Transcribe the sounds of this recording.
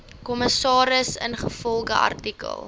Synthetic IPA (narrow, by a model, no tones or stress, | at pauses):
kɔməsɑːɾəsənχəfɔlˠχəɐ̰rtikə̰lˠ